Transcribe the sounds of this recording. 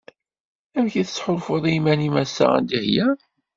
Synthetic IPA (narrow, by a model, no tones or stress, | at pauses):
æmçiθət͡sːħoɾfoðˤimænimæsa̰æ̰nd̪ihjæ